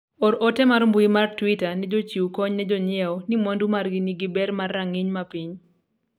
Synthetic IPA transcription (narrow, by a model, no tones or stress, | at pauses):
ɔɾʔɔtɛmaɾmbuimartwitanɛd͡ʒot͡ʃiwkɔɲnɛd͡ʒɔɲɪɛwɔnimɔndumarɡɪniɡɪbɛrmarːaŋiɲmapiɲ